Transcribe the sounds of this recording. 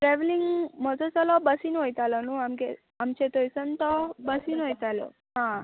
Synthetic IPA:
ʈɾɛʋliŋɡmɔd͡zot͡sɔlɔbəsinuɦojt̪alɔnũamke | amt͡ʃʰet̪ojsənt̪ɔbəsinɦojt̪alo̰ | ɦã

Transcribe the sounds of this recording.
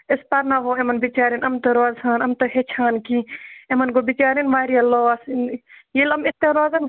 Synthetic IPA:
ɪspɐɾnaɦoemɐnbit͡ʃaːɾinɐmt̪ɐɾoːzaːnɐmt̪ɐɦet͡ʃʰaːnkiemɐnɡobit͡ʃaːɾinʋaːɾijɐloːsjilɐmɪt̪eɾoːzɐn

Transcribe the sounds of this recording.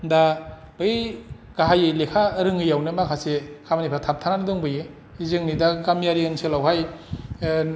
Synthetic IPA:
nda | b̥ɯj | ɡ̥aɦajɯlekʰaɾɯŋɯjawnɯmakʰasekʰabanipʰatʰap̚tʰananɯdɔŋbɯje | izɯŋnidaɡamjaɾiɯnsʰɯlawɦaj

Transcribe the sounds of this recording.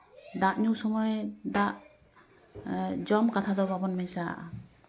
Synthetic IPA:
d̪aʔɲusɔmɔjd̪aʔ | d͡ʒɔmkat̪ʰad̪ɔbabɔnmɛɲsaʔ

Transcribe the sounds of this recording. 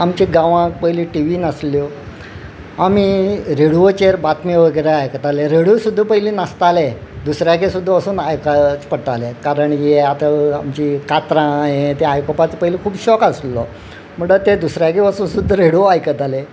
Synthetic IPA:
amt͡ɕeɡãʋãk̚pəjliʈiʋiːnasljɔ | amiɾeɽuʋot͡ɕeɾbat̪miʋəɡəjɾeajkət̪aleɾeɽusud̪ʱːəpəɦiliːnast̪ale | d̪usɾjakesud̪ʱːəəsuːnajkət͡spəɽt̪alekaɾəɳjieat̪aamt͡ɕikat̪ɾãɦet̪ẽajpəpat͡spəɦilikʰuːbɕɔkasllɔ | m̤əɳɖət̪ed̪usɾjakeəsuːnsud̪ʱəɾeɽoajkət̪ale

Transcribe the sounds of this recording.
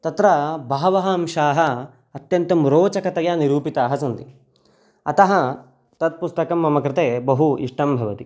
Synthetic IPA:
t̪ɐt̪ɾɐbʱaːʋɐɦɐɐmʃaːɦɐː | t̪jɐnt̪ɐmɾoːt͡ʃɐkɐt̪ɐjaːniɾuːpit̪aːɦɐsɐnt̪i | ɐt̪ɐɦɐ | t̪ɐt̪̚pust̪ɐkɐmːɐmɐkɾɪt̪eːbɐɦuḭʂʈɐmbʱɐʋɐt̪i

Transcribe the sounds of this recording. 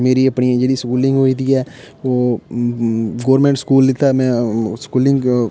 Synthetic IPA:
meːɾiɐpɳ̃ijãd͡ʒeːɽiskuːlɪ̃ŋɡɦoːid̪iɦɛː | ʋoː | ɡoːɾmɛ̃ːɳɖskuːlːɪt̪aɛmɛ̃skuːlɪ̃ŋɡ

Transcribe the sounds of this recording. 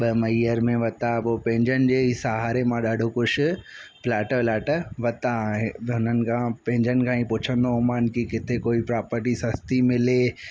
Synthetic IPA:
ɓɐmɐiəɾmẽʋɐt̪apopẽːɲd͡ʑənɪ̆d͡ʑeːisɐɦaːɾemãɗaːɖʱokʊʃʊ̆plaːʈəlaːʈəʋɐt̪ãɦʊn̤ənɪ̆kʰãpẽːɲd͡ʑənɪkʰãːĩpʊt͡ɕʰə̃nd̪oʊmaːnkikɪt̪ʰekoːipɾaːpəɾʈisɐst̪imɪleː

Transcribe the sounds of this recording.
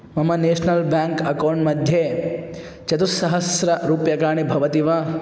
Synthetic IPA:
mɐmɐneːʃnɐlbaːŋkɐkɐwɳʈmɐd̪ʱje | t͡ʃɐt̪usɐɦɐsɾɐɾuːpjɐkaːɳibʱɐʋɐt̪iʋɐ

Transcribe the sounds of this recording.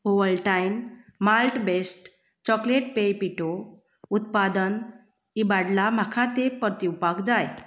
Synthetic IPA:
oʋəɭʈajnmalʈbesʈ | t͡ɕɔkleʈ̚pejpiʈo | ut̪pad̪ən | ibaɽlam̤akʰat̪epəɾt̪iupakd͡zaj

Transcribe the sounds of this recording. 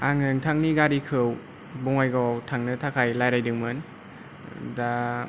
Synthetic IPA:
aŋɯŋtʰaŋniɡaɾikʰɯw | bɔŋajɡawtʰaŋnɯtʰakʰajlajɾajdɯŋmɯn | da

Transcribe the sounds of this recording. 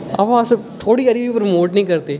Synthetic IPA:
a̰ʋasɐt̪ʰoːɽiɐɾiʋipɾmoːʈnɐɦĩkɐɾt̪eː

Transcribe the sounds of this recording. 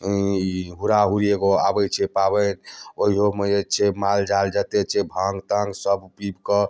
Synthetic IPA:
iɦuɾaɦuɾieɡoa̰bɛt͡ʃʰɛpabɛnoɦiɦomeet͡ʃʰɛmald͡ʒald͡ʒət̪et͡ʃʰɛbʱãŋɡt̪əŋɡsəbpɾibkɔ

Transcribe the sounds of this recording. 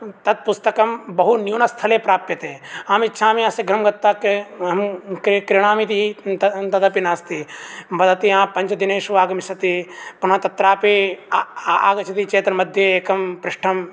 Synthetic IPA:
t̪ɐt̪̚pʊst̪ɐkɐmbɐɦunjuːnɐst̪ʰɐlepɾaːpjɐt̪eːaːmɪtːʃʰaːmĩɐseɡɾɐmɡɐt̪ːaːkeɦɐmkkɾɪɽ̃aːmit̪iit̪ɐd̪ɐpinaːst̪ibɐd̪ɐt̪iãːpɐ̃nt͡ʃd̪ineːʃuʋaːɡɐmɪsɐt̪ipunãt̪ɐt̪ɾaːpe | aːɡɐt͡ʃʰɐt̪it͡ʃeːt̪ɐɾmɐd̪ʱjeeːkɐmpɾɪʂʈʰɐm

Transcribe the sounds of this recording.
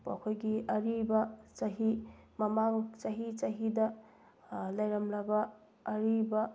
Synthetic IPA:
pa̰kʰojɡiɐɾibɐt͡ʃɐɦimɐmaŋt͡ʃɐɦit͡ʃaɦidɐ | lɐjɾamɾabɐː | ɾibɐ

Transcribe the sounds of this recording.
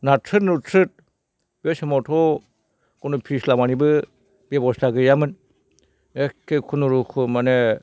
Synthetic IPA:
natʰɯtnutʰɾɯt̚ | b̥ɔsemɔtʰɔ | kunupʰislamanibɯ | b̥ebɔstaɡɯjamɯn | ekʰːekʰunuɾukʰɯmane

